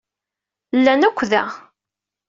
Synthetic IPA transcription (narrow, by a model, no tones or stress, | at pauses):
lːænækʷːðæ̰